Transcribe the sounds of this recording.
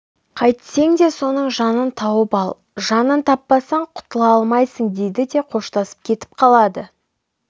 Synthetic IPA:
qʰɑjt̪se̞ŋd̪e̞so̞nəɴʒɑnənt̪ʰɑwəpɑlˠ | ʒɑnənt̪ʰɑpːɑsɑɴqʰʊ̥t̪əlˠɑɑlˠmɑjsəɴd̪e̞jd̪ɪd̪e̞qʰo̞ʃt̪ɑsə̥p̚kʲʰe̞t̪ɪ̥p̚qʰɑlˠɑd̪ə

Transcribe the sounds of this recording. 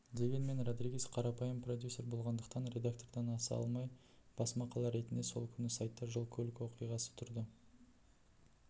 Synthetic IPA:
d̪e̞ɡʲe̞nme̞nro̞d̪ɾiɡʲisqʰɑɾɑpɑjəmpro̞d̪ʲjusʲːe̞ɾbo̞lˠʁɑnd̪əqt̪ɑnrʲe̞d̪ak̚t̪o̞rd̪ɑnɑsɑ̰lˠmɑj | b̥ɑsmɑqʰɑlˠɑɾe̞t̪ɪnd̪e̞so̞̰lˠkʲʰʏnɪsɑjt̪ːɑʒəlˠkʲʰɵlɪkʲwo̞qijʁɑsə̥t̪ʰʊɾd̪ə

